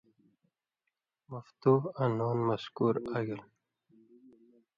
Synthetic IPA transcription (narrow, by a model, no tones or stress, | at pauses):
maft̪uanonmaskuɾaɡil